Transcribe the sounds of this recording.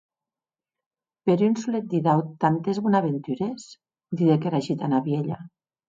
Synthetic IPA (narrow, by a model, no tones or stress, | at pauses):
peɾynsulet̪̚d̪iðawt̪ant̪ezβunaβent̪yɾes | d̪iðekeɾaʒit̪anaβjeʎa